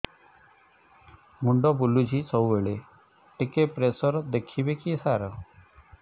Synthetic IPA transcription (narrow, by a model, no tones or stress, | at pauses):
muɳɖɔbulud͡ʒʱisɔweɭe | ʈikepɾesɔɾɔd̪ekʰibekisaɾɔ